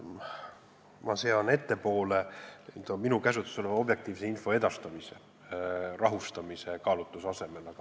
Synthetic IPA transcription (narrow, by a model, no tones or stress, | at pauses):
mɑse̞ɑne̞t̪ːe̞po̞ːle̞it̪ominukæs̬ut̪ːˑu̥solevɑo̞bje̞k̚t̪iːvseinfo̞e̞d̪̥ɑst̪ɑmise̞ | rɑɦust̪ɑmise̞kɑːlut̪ːˑusɑse̞me̞lɑɡɑ